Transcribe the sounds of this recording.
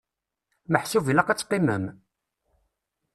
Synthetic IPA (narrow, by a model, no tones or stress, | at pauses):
məħsuvilæqæt͡sːqːimə̰m